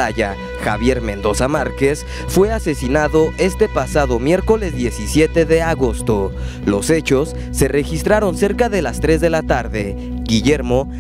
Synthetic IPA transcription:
aʝa | xa̰βje̞ɾmẽ̞nd̪o̞samaɾke̞s | fwe̞ase̞sinaðo̞e̞st̪e̞pasaðo̞mje̞ɾko̞le̞zðje̞sisje̞t̪e̞ðeaɣo̞st̪o̞ | lo̞̰se̞t͡ʃo̞sːe̞re̞xist̪ɾaɾo̞nse̞ɾkaðe̞last̪ɾe̞zðe̞lat̪aɾðe̞ | ɡiʝe̞ɾmo̞

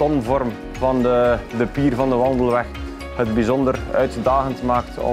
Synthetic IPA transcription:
tɔnvɔrm | vɑnədəpiːrvɑndəʋɑndəlˠʋɛx | hədbizɔndərœ̰ɥtdaːɣəntmaːk̚tɔ̰

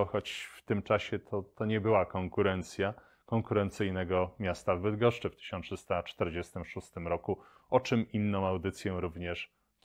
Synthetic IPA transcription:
xɔt͡ɕft̪ɘmt͡ʂaɕɛt̪ʰɔt̪ɔɲɛbɘwakɔŋkuɾɛnt̪sʲja | kɔŋkuɾɛnt̪sɘjnɛɡɔmʲjast̪avːɘd̪ɡɔʂt͡ʂɘft̪ɘ̥ɕɔnʂɘst̪at͡ʂt̪ɛɾd͡ʑɛst̪ɘmʂust̪ɘmɾɔku | ɔt͡ʂɘminːɔ̃w̃awd̪ɘt̪sʲjɛɾuvɲɛʂ

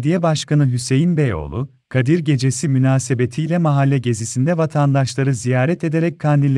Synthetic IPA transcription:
d̪ijɛbaʃkanɯɦyse̞jinbejo̞̰lˠu | kʰad̪iɾɟe̞d͡ʒe̞simynaːsebet̪ʰijlʲɛmaɦalʲːɛɟe̞zisind̪ɛvat̪ʰand̪aʃlˠaɾɯzijaːɾɛt̪e̞d̪eɾɛc̚kʰand̪ilʲ

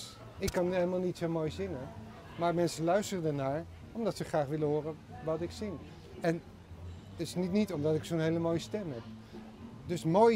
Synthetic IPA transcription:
ɪkːɑnɦeləmaːlˠnitsowmoːjzɪŋən | maːɹmɛnsəlœɥstərdənaːɹ | ɔmdɑtsəχraːχʋɪləɦʊːrə | ʋɑtɪksɪn | ɛn | tɪsnitnitɔmdɑtɪksownɦejləmoːjəstɛmɦɛp̚ | dɵsmoːj

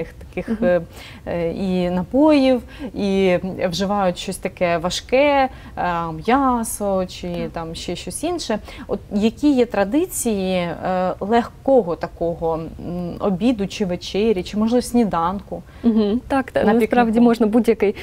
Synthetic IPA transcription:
ɪxt̪ɐ̥kɪx | inɐpɔjiw | iʋʒɪʋɑjʊtʲʃt͡ʃɔsʲt̪ɐkɛʋɐʃkɛ | mjɑsɔt͡ʃɪt̪ɑmʃt͡ʃɛʃt͡ʃɔsʲinʃɛɔt̪jɐkʲijɛt̪ɾɐd̪ɪt͡sʲijilˠɛxkɔɦɔt̪ɐkɔɦɔ | ɔ̰bʲid̪ʊt͡ʃɪʋet͡ʃɛɾʲit͡ʃɪmɔʒlˠɪʋɐsʲnʲid̪ɑnkʊ | m̩ɦ̩t̪ɑkt̪aspɾɑʋdʲimɔʒnɐbudʲjɐkɪj

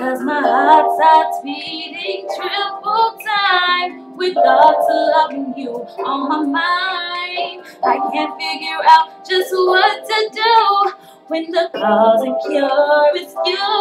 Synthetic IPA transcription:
kʰʌzmaɪhɑtsaswiɾɪ̃ŋtʰɹ̥ɛfəl̩ˠtʰãɪɪ̃m | wivɡɔtʰəlʌvɪ̃ŋjɨə̃nmaɪmaɪɪ̃nnd | aɪkʰæ̃ntfɪɡjə˞aʊt̚d̥ʒ̥ʌst̚wʌtʰɨdu | wɨ̃nðəkʰɔzɨ̃kʰɔɨskɪ

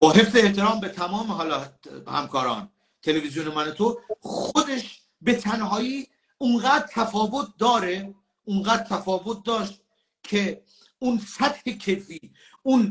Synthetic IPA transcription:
bɒːɦe̞fseːht̪eɾɒːmbe̞t̪ʰæmɒːmeɦɒːlɒːhæ̰mkʰɒːɾɒ̰ːn | t̪ʰe̞levizijonemænot̪ʰoxod̪e̞ʃ | be̞t̪ʰænɦɒːjiː | unɢæːd̪̚t̪ʰæfɒːvot̪̚d̪ɒːɾe | unɢæːd̪̚t̪ʰæfɒːvot̪̚d̪ɒːʃt̪̚ | kʰe | unsæt̪hekʰefiː | un

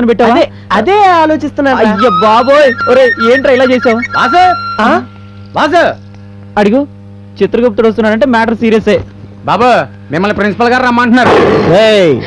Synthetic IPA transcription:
ɐnipɛʈːaːʋaː | d̪eːaːloːt͡ʃist̪unːaːjːɐbaːboːjoɾeeːɳʈɾɐjlaːt͡ʃeːsaːwʋaːzɐa | ʋaːzɐ | ɐɽiɡu | t͡ʃit̪ːɾɐɡop̚t̪ːuɽɐst̪unːaːɾɐɳʈeːmaːʈɐɾsiːɾijɐseː | baːbɐ | mimːɐlːipɾinsipɐlɡaːɾɐmːaːɳʈɐnːaːɾṵe

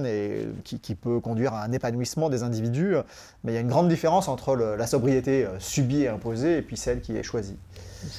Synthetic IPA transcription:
nekʲikʲipøkɔ̃d̪ɥiʁãɛ̃nepanwismɑ̃d̪ezɛ̃d̪ivid̪y | mɛijaynɡʁɑ̃d̪ːifeʁɑ̃sɑ̃t̪χələlasɔbʁijet̪eøsybieɛ̃pozeːpɥisɛlkʲiɛ̰ʃwazi

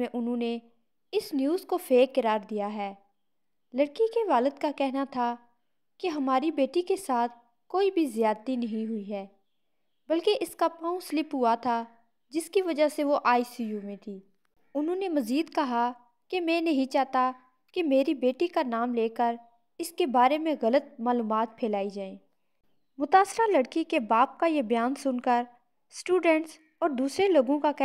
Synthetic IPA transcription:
ẽʔʊnɦõne | ɪsnjuːzkopʰeːkːəɾaːɾd̪ijaɦɛː | ləɽkikeʋaːləd̪kakɛɦnat̪ʰa | keɦɐmaːɾibeːʈikesaːt̪ʰ | koːibʱizɪjaːd̪̚t̪inɐɦĩɦʊiɦɛː | bɐlkeʔɪskapɔ̃ũslɪpɦʊat̪ʰa | d͡ʒɪskiʋɐd͡ʒaseʋoʔaːisiːjuːmẽt̪ʰiː | ʊnɦõnemɐziːd̪kɐɦa | kemɛ̃nɐɦĩt͡ʃaːɦt̪a | kemeːɾibeːʈikanaːmleːkəɾ | ɪskebaːɾemẽɣɐlət̪̚maːluːmaːt̪̚pʰeːlaːid͡ʒaːẽː | mʊt̪aːsɾalɐɽkikebaːp̚kajebɐjaːnsʊnkəɾ | sʈuːɖɛ̃ɳʈs | ɔːɾd̪uːsɾeloːɡõkakɛ

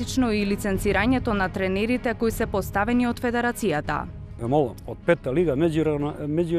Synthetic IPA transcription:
it͡ʃnɔilit̪sɛnt̪siɾaɲɛt̪ɔnat̪ɾɛnɛɾit̪ɛkoisɛpɔst̪avɛniot̪fɛd̪ɛɾat̪sijat̪a̰ | ɛmɔlˠamot̪̚pɛt̪ːaliɡamɛd͡ʒuɾnmɛd͡ʒu

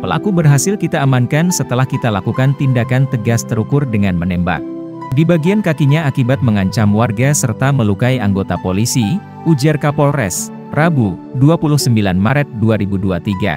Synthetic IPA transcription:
pəla̰kubərɦasɪlkit̪aəmankansət̪əlahkit̪alakukant̪indakant̪əɡast̪əɾukʊrdəŋanmənɛmba̰k̚ | dibaɡiankakiɲaːkibat̪̚məŋaɲt͡ʃamwarɡasərt̪aməlukaiaŋɡot̪apolisi | ud͡ʒarkapolrɛ̰s | rabuduapulʊhsəmbilanmaɾɛt̪̚duaɾibuduat̪iɡa̰

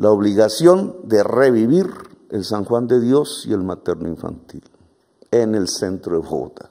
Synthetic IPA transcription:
laoβliɣasjond̪ereβiβiɾelsaŋxwand̪eðjosḭelmat̪eɾnoiɱfa̰nt̪il | enelsent̪ɾoðexo̰t̪a

